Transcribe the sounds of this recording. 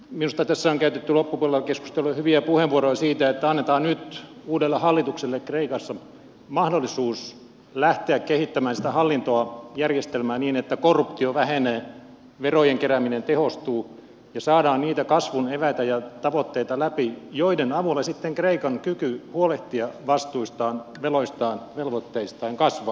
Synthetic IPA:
minust̪ɑt̪æsːæoŋkæyt̪et̪ːylopːupuolelkesku̥st̪elːujɑhyʋiæpuheʋʋuorojɑsiːt̪æet̪ːæɑnːet̪ɑːnnyt̪ | uːdelːehɑlːit̪ukselːekkreikɑsːɑ | mɑhdolːisuːs | læht̪eækkehit̪ːæmæːnsit̪æhɑlːint̪oɑjærjest̪elmæːnniːnet̪ːækorːupt̪ioʋæheneː | ʋerojeŋkeɾæminent̪ehost̪uː | jɑsɑːdɑːnniːt̪ækɑsʋuneʋæit̪æjɑt̪ɑʋot̪ːeit̪ɑlæpijoidenɑʋulːˑesit̪ːeŋkreikɑŋkykyhuoleht̪iɑʋɑst̪uist̪ɑːnʋeloist̪ɑːnʋelʋot̪ːeist̪ɑːŋkɑsʋɑː

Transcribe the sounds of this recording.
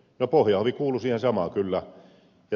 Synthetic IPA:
nopohjɑoʋikuːlːˑusiːhensɑmɑkylːæ | jɑ

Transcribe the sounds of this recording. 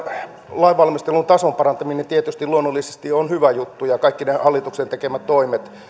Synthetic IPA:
lɑiʋʋɑlmist̪elunt̪ɑsompɑrɑnt̪ɑminent̪iet̪yst̪iluonːolːise̥st̪ionhyʋæjut̪ːujɑkɑikːinehɑlːit̪uksent̪ekemæt̪toimet̪

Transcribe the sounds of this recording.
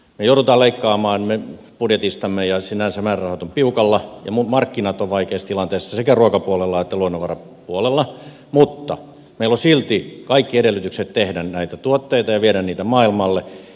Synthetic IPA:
mejoˑuɾut̪ɑːleikːɑːmɑːnme | pudjet̪ist̪ɑmːejɑsinænsæmæːrrɑhɑt̪ompiukɑlːɑjɑ̰mumɑrkːinɑt̪oʋʋɑikeːst̪ilɑnt̪eːsːɑsekæruokɑpuolelːɑet̪ːæluonːoʋɑrɑ | puolelːɑ | mut̪ːɑ̰ | meilosilt̪ikɑikːiedelːyt̪ykset̪t̪ehdænnæit̪æt̪uot̪ːeit̪ɑjɑʋieɾænniːt̪æmɑːilmɑlːe

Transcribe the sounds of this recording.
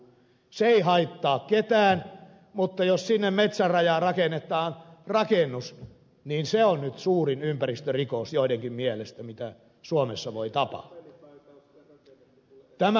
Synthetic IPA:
seeihɑit̪ːɑːkket̪æːn | mut̪ːɑjossinːemmet̪særrɑjɑːrɑkenet̪ˑɑːnrɑkenːus | niːnseonnyt̪suːrinympærist̪ørikosjoˑideŋkimmielest̪æmit̪æ | suomesːɑʋoit̪ɑpɑ̰ht̪ːu̥ | t̪æmæ

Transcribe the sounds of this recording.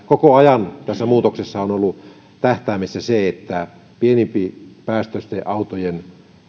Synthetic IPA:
kokoɑjɑnt̪æsːæmuːt̪oksesːɑonolːu | t̪æht̪æːmesːæseet̪ːæ | pienimpipæːst̪øst̪eʔɑut̪ojen

